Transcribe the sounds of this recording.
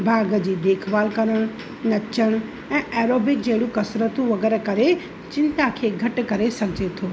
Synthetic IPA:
bʱaːɡəd͡ʒid̪eːkʰʋaːlkəɾəɽ̃ | nɐt͡ʃəɽ̃ | ɛ̃ːʔɛːɾoːbɪk̚d͡ʒeːɽũkɐsɾət̪ũʋɐɡɛːɾekɐɾe | t͡ʃɪ̃nt̪akʰeɡʱəʈkɐɾesɐkʰd͡ʒet̪ʰoː

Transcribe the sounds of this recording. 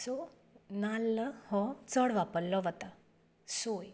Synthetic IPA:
sɔ | nalːəhɔt͡səɽʋapəlːɔʋət̪a | soj

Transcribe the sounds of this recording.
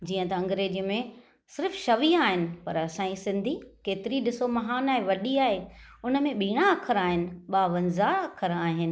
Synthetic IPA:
d͡ʑiːə̃t̪ɐɐ̃ŋɡɾeːd͡ʑimẽ | sɪɾfʃɐʋiaːɦɪnɪ̆pɐɾɐsãːĩsɪ̃nd̪ʱikeːt̪ɪɾiɗɪsomɐɦaːnaːɦeʋɐɗiaːɦeʊnə̆mẽɓiːɽ̃aɐkʰəɾaːɦɪnɪ̆ɓaːʋɐ̃nzaɐkʰəɾaːɦɪnɪ̆

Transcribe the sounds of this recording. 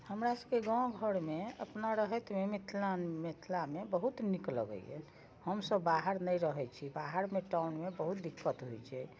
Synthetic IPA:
həmɾasəbkeɡãɡʱəɽmeəpnaɾəɦɛt̪memit̪ʰlamit̪ʰlamebəɦut̪niklə̰ɡə̰iḛ | həmsəbːaɦəɾnəjɾəɦɛt͡ʃʰibaɦəɾmeʈawnmebəɦut̪̚d̪ikːət̪ɦojt͡ʃʰɛ

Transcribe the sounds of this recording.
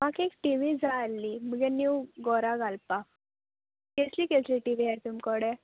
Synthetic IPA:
makekʈiʋid͡zalːiməɡɛnjuɡɔɾaɡalpa | keslikesliʈiʋijaɾt̪umkɔɽɛ

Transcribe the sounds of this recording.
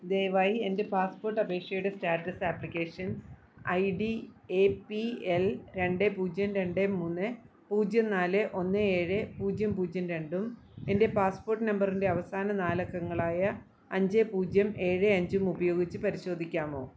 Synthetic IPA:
d̪eːjɐʋaːjie̞nde̞paːspo̞ːrʈːɐbʱe̞ːkʂjɐjuɽɨstaːʈːɐsaːpːlikʲːeːʂɐns | ɐjɖiepielɾe̞ɳɖepuːd͡ʑjɐmɾe̞ɳɖemːuːnːɨ | puːd͡ʑjɐnaːlɨʔo̞nːɨeːɻɨpuːd͡ʑjɐmpuːd͡ʑjɐnɾe̞ɳɖum | e̞nde̞paːspo̞ːrʈːɨnɐmbɐrinde̞ɐʋɐsaːnɐnaːlɐkːɐŋːɐɭaːjɐ | ɐɲd͡ʑepuːd͡ʑjɐme̞ːɻɨɐɲd͡ʑumubɐjo̞ːɡit͡ɕːɨpɐɾiɕo̞ːd̪ʱikʲːaːmo̞̰ː

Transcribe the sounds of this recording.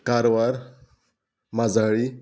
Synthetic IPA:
kaɾʋaɾ | mad͡zaɭi

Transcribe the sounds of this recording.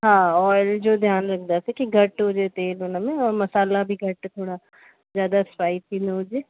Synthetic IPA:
ɦãːɔːɾld͡ʒoːd̪ʱjaːnɾɐk̚ʰd̪asekiɡʱɐʈɦod͡ʒet̪eːloːnamẽɔːɾmɐsaːlabʱiɡʱɐʈt̪ʰoːɽa | zjaːd̪aspaːit̪ʰinɐod͡ʒeː

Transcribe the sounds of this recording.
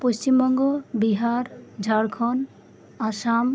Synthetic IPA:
post͡ʃimbɔŋɡɔbiɦaɾd͡ʒʱaɽkʰɔn | asam

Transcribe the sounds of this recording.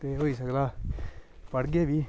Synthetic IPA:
t̪eɦoːis̬əkd̪aː | pəɽɡeːbiː

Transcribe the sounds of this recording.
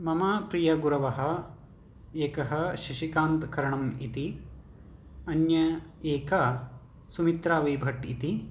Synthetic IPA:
mɐmɐpɾijɐɡuɾɐʋɐɦɐ̆ | eːkɐɦɐ̆ʃɐʃikaːnt̪kɐɾɐɳɐmit̪i | ɐnjɐeːka | sumit̪ɾaːʋɐjbʱɐʈḭt̪i

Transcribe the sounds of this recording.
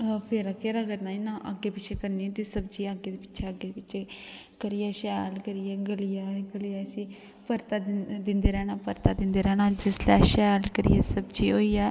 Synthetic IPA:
pʰeɾaːkeɾəɡəɾnaːiːnãːʔə̰ɡːeːpɪt͡ʃʰeːkəɾniːɛ̃ːt̪eːsəb̚d͡ʒiːəɡːeːd̪eːpɪ̥ːt͡ʃʰeːəɡeːd̪epɪːt͡ʃʰeː | kəɾiɛːʃɛːlkəɾiɛːɡəlɪjaːɡəlɪjaːsĩː | pəɾt̪aːd̪ɪnd̪eːɾɛːñaːpəɾt̪aːd̪ɪnd̪eːɾɛːnãːd͡ʒɪslɛ̰ːʃɛːlkəɾḭjɛːsəbd͡ʒiːoːiːaː

